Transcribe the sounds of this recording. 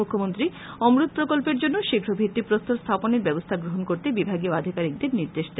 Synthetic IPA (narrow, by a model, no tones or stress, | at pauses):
ukʰːomont̪ɾi | ɔmɾut̪̚pɾokolpeɾd͡ʑonːoʃiɡʰʱɾobʱit̪ːipɾost̪ʰoɾst̪ʰaponeɾbɛbost̪ʰaɡɾoɦonkoɾt̪ebibʱaɡioad̪ʱikaɾik̚d̪eɾniɾd̪eʃd̪e